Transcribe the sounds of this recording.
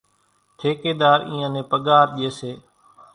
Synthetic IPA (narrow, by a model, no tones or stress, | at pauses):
t̪ʰeːkeːd̪aːɾḭ̃ːãːnẽːpəɠaːɾɗieːseː